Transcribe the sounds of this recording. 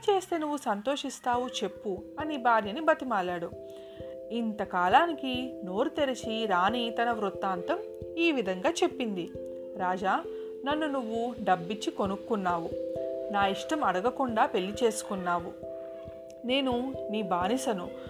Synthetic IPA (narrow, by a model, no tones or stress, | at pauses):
t͡ʃe̞ːst̪e̞ːnuʋːusɐnt̪o̞ːʂist̪aːwut͡ʃe̞pːuɐnibʱaːɾjɐnibɐt̪imaːlaːɽu | int̪ɐkaːlaːnikino̞ːɾut̪eɾit͡ʃiɾaːnit̪ɐnɐʋɾut̪ːaːnt̪ɐm | iːʋid̪ʱɐŋɡaːt͡ʃe̞pːind̪i | ɾaːd͡ʒaː | nɐnːunuʋːuɖɐbːit͡ʃːiko̞nukːunːaːʋunaːiʂʈɐmɐɽɐɡɐkuɳɖaːpe̞lːit͡ʃe̞ːsu̥kunːaːwu | ne̞ːnuniːbaːnisɐnu